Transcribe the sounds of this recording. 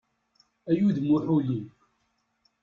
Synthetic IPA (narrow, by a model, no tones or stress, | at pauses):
æjuðmʊħuli